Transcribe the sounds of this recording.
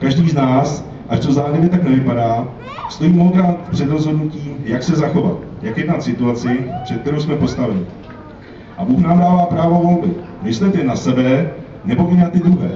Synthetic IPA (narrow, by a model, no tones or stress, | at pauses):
kaʒdiːznaːs | ʔaʃt̪ozaːɦɪvɪt̪aknɛvɪpadaː | st̪o̞jiːmoɦodɾaːt̪pr̥ɛd̪ɾo̞zɦo̞dnuciːjaksɛzaxo̞va̰t̪jakjɛdnat̪sɪt̪uat͡sɪpr̥ɛt̪̚kt̪ɛɾowsmɛpo̞st̪avɛɲɪ | ʔabuːxnaːmdaːvaːpɾaːvo̞vo̞lbɪ | mɪslɛt̪ɛnasɛbɛ | nɛbo̞ʔɪnat̪ɪd̪ɾuɦɛː